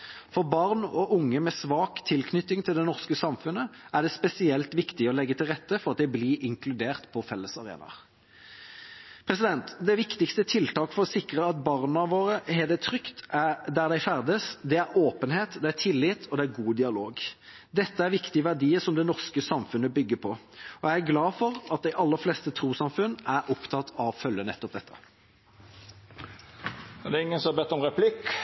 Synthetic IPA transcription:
fɔʁbɑʁnɔʔʊŋːəmɛsʋɑːkt̪ʰɪlkʰnʏt̪ːɪŋt̪ʰɪld̪ɛnɔʁskəsɑmfʉnəʔæʁɖ̪ɛspɛsɪɛlt̪ʋɪkt̪ɪɔlɛɡːət̪ʰɪlʁɛt̪ːəfɔɾɑt̪̚d̪æɪbliʔɪŋkʰlʉd̪eːʁt̪pʰɔfɛlːəsɑʁḛːnɑ̰ʁ | pʰʁɛsɪd̪ɛnt̪d̪ɛʋɪkt̪ɪkst̪ət̪ʰɪlt̪ɑːkfɔɾɔsɪkʁəɑt̪̚bɑʁnɑʋoːɾəɦɛd̪ɛt̪ʰɾʏkt̪ʔæd̪æʁd̪æɪfæʁd̪əsd̪ɛæɾoːpənheːt̪d̪ɛæt̪ʰɪlːɪt̪ʰɔd̪ɛæɾɡuːd̪ɪɑloːɡ | d̪ɛt̪ːəæɾʋɪkt̪ɪəʋæʁd̪iːəsɔmd̪ɛnɔʁskəsɑmfʉnːəbʏɡːəpʰɔɔjæɪæɾɡlɑːfɔɾɑt̪̚d̪æɪʔɑlːəflest̪ət̪ʰɾuːsɑmfʉnːæɾʔɔpt̪ʰɑt̪ʰːɑʋfœlːənɛt̪ːɔp̚d̪ɛt̪ːə̥ | d̪ɛːɪŋːənsɔhɑbɛt̪ːɔmʁɛpʰlɪkː

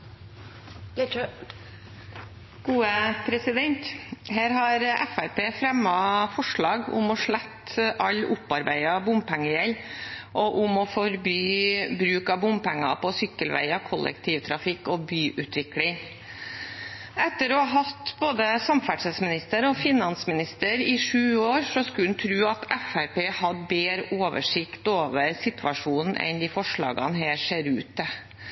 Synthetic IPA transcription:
ɡ̥uːəpʰɾɛsɪd̪ɛnt̪hæːɾɦɑɾɛ̰fæɾpeːfɾɛmːɑfɔʂɭɑːɡʊ̰mɔʂɭæt̪ːʔɑlːʊpːɑɾbæɪɑbʊmpʰæŋːəjɛlʔɔʔʊmɔfɔɾbyːbɾʉːkɑbʊmpæŋːɑ̰pɔsʏkːəlʋæ̰ɪɑkʰɔlʔə̰kt̪ʰiːʋt̪ʰɾɑfɪkːɔbyːʔʉt̪ʰʋɪklɪŋ | ɛt̪ːəɾɔɑɦɑt̪boːd̪əsɑmfæʈʂəsmɪnɪst̪əɾɔfɪnɑnsmɪnɪst̪əɾɪʂʉːoːɾsɔskʉlnt̪ʰɾʉːɑt̪ɛfæɾpeːhɑd̪beːɾəʔoːʋə̰ʂɪkt̪oːʋəɾsɪt̪ʰʋɑʂuːnn̩ʔɛ̰nd̪ɪfɔʂɭɑ̰ːɡɑ̰nɦeːʂeːɾʉ̰ːt̪̚d̪ɛ

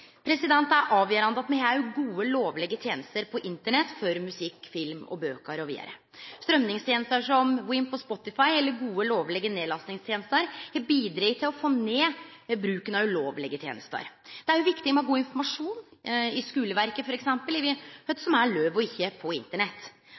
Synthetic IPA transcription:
pʰɾɛsɪd̪ɛnt̪æɾʔɑːʋjəːɾɑnd̪əɑt̪mɛhæɾjʊɡuːəloːʋlɛɡət̪ʰjeːnəst̪əɾpʰɔʔɪnt̪əɳɛt̪ːfɔɾmʉsɪkːfɪlmɔ̰bøːkəɾɔʋḭːd̪ə̰ɾə̰ | st̪ɾœmnɪŋst̪ʰjeːnəst̪əʂɔmwɪmpʰɔspɔt̪ːɪfɑɪɛlːəɾɡuːəloːʋlɛɡəneːd̪lɑsnɪŋst̪ʰjeːnəst̪əɾɛbiːd̪ɾiːt̪ʰɪlɔfoːneː | bɾʉːkənɑʉloːʋlɛɡət̪ʰjḛːnə̰st̪ə̰ɾd̪̥ɛæɾjʊʋɪkt̪ɪmɛɑɡuːɪnfɔɾmɑʂuːnɪskʉːləʋæɾkəfɔɾɛksɛmpəlɪʋɪhœt̪sɔmæɭøːʋɔɪçːəpʰɔɪ̰nt̪əɳɛt̪ː

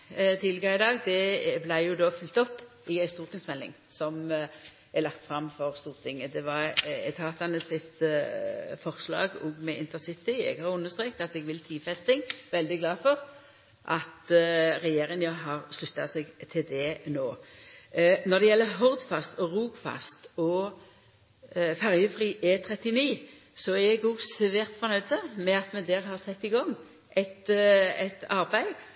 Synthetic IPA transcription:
t̪ʰɪlːəɡɑɪd̪ɑːɡd̪ɛblæɪjʊd̪oːfʏlt̪ɔpː | ɪæɪst̪uːʁt̪ɪŋsmɛlːɪ̰ŋsɔm | ɛlɑkt̪fɾɑmfɔʁst̪uːʁt̪ʰɪŋəd̪ɛʋɑɾɛt̪ʰɑːt̪ɑnəsɪt̪ | fɔʁslɑ̰ːɡɔɡmɛʔɪnt̪əsɪt̪ɪɛ̰ɡhɑɾjʊʉnːəʁst̪ʁeːk̚t̪ɑt̪ɛɡʋɪlt̪ʰiːfɛst̪ɪŋʋɛld̪ɪɡlɑːfɔʁ | ʔɑt̪ɾɛjeːɾɪŋnjɑɦɑʁslʉt̪ːɑsɛɡt̪ʰɪld̪ɛnoː | nɔʁd̪ɛjɛlːəɦɔd̪fɑst̪ɔɾuːɡfɑ̰st̪ɔ | fæʁjəfʁiːʔet̪ʰɾɛt̪ːɪniː | sɔæɾjɛɡʊɡsɛʋeːʁt̪fɔɾnœʏd̪əmɛɑt̪mɛd̪æɾɦɑʁsɛt̪ːɪɡɔŋː | ʔɛt̪ɛt̪ɑʁbæɪ

